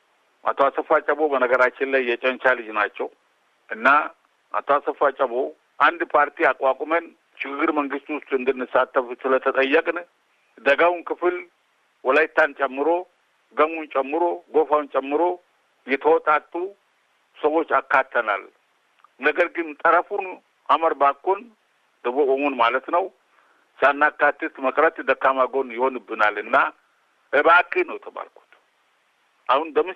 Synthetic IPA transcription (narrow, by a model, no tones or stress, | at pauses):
ʔa̰t̪ʰəwasəfat͡ʃʼəβo̞bənəɡəɾat͡ʃːɪnlajːɛt͡ʃʼɛnt͡ʃalɨd͡ʒnat͡ʃːɛw | ʔɨnːa | ʔa̰t̪ʰowasəfat͡ʃʼəβo̞ | ʔand̪pʰaɾt̪ʰiakʼwakʼmən | ʃɪɡɨɡɨɾməŋɡɨst̪wʊst̪ʼuɨnd̪ɨnːɨsat̪ːəfsɨlət̪ʰət̪ʼəjːəkʼn | d̪əɡawnkɨfɨl | wɔlajt̪ʰːant͡ʃʼɛmːɨɾo̞ | ɡəmunt͡ʃʼɛmːɨɾo̞ɡo̞fawnt͡ʃʼɛmːɨɾo̞ | jɛt̪ʰəwɔt̪ʼat̪ʼːu | səwo̞t͡ʃːakːat̪ʰːəna̰l | nəɡəɾɡɨnt̪ʼəɾəfun | ʔaməɾbakːon | d̪̥ɨbokʼomonmalət̪nəw | sanːakːat̪ːɨt̪məkʼɾət̪d̪əkːamaɡo̞njɪho̞nɨbːɨnalɨnːa | bəakʼːɨnəwjɛt̪ʰəba̰lkʰu̥t̪ | ʔahund̪əmɨ